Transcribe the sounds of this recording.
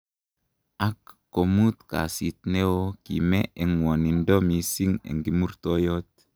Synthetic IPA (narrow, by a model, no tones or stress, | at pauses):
ʔakː | omut̪ka̰sit̪newokḭmeeŋwonindomisiŋḛŋɡimuɾt̪ojot̪̚